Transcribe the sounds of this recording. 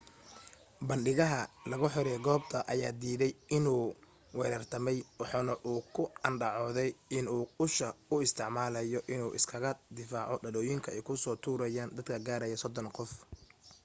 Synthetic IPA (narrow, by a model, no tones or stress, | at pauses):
bɐnɖɪɣɐɦɐlɐɣʊħɔɾɛɡɔːbt̪ʰɐʔɐjaːd̪iːðɛjɪnuː | wɛːɾɐrt̪ʰɐmɛjwɑħɑːnɐʔuːkʰʊɐnɖɑʕɔːðɛjɪnuːʊʃɐʊɪst̪ʰɪʕmaːlɐjɔʔɪnuːʔɪ̰skʰɐɣɐd̪ɪfaːʕɔɖɐðɔːjɪŋkʰɐɛjkʰʊsɔːt̪ʰuːɾɐjaːnd̪ɐd̪kʰɐɡaːɾɐjɐsɔd̪ɔnqɔf